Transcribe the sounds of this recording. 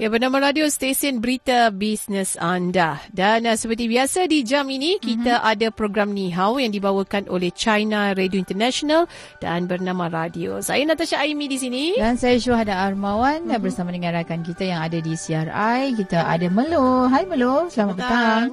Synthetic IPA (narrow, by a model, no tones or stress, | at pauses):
jabərnãmãɾadiost̪esənbəɾit̪abisnəsandadansəpərt̪ibiasadid͡ʒaminikit̪aʔadapɾoɡɾamnĩɦawjaŋdibawəkanʔoleht͡ʃajnaɾedioint̪ərnaʃonal | d̥a̰nbərnãmãɾadio̰sa̰janat̪aʃaaimĩdis̬inidansajaʃuahadaʔːrmãwanbərsamadəŋãɾakankit̪ajaŋadadisiarajkit̪aʔa̰daməloɦajmə̃losəlamapət̪aaŋ